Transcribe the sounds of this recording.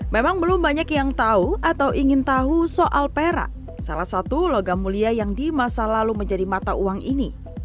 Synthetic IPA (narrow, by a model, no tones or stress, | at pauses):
memaŋbəlumbaɲakjaŋt̪auat̪awʔiŋɪnt̪aɦusoʔalpeɾa̰ʔ | sa̰lahsat̪uloɡamuliajaŋdimasalaluməɲd͡ʒadimat̪aʔuwaŋini